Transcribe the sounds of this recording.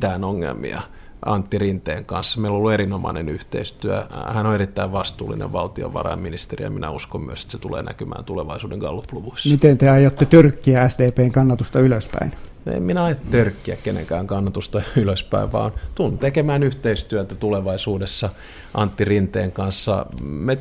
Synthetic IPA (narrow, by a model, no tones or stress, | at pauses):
t̪æːnoŋːḛlmḭɑ̰ | ʔɑnt̪ːirint̪ḛːŋkɑnsːɑmeilolːuerinomɑ̰inenyht̪ḛist̪yæ̰hænoerit̪ːæiʋʋɑst̪uːlːinḛʋʋɑlt̪io̰ʋɑ̰rɑ̰imminist̪erijɑ̰minæuskommyøse̥t̪set̪ulḛːnækymæ̰ːnt̪uleʋɑisuːdeŋɡ̥ɑlːupluʋuisːmit̪ent̪eɑjot̪ːet̪yrkːiææsdeːpeːŋkɑnːɑt̪ust̪ɑyløspæ̰innoḛminæɑijot̪t̪ørkːiækkenḛŋkæːŋkɑnːɑt̪ust̪ɑyløspæiʋʋɑ̰ːnt̪unt̪ekemæːnyht̪eist̪yæt̪ːæt̪uleʋɑisuːdesːɑ | ʔɑnt̪ːirint̪eːŋkɑnsːɑ̰me